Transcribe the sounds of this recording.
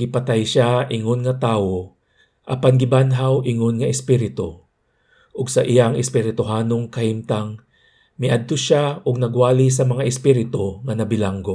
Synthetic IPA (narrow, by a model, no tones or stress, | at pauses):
ɡɪpɐt̪ajʃaʔɪŋonŋɐt̪aːwo | ʔɐ̰panɡɪbanɦawʔɪŋonŋɐɪspɪɾɪt̪o | ʔʊɡsɐʔɪjaŋʔɪspɪɾɪt̪ʊɦaːnoŋkɐhimt̪aŋ | mɪʔad̪̚t̪oʃaʔʊɡ̚nɐɡwaːlɪs̬ɐmɐŋaʔɪspɪɾɪt̪oŋɐnɐbɪlaŋɡo